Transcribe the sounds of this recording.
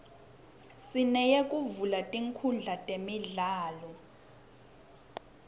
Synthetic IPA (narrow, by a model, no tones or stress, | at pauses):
sinɛjekʼuvulatʼiŋkʰund͡ɮʱatʼemiɮaːlɔ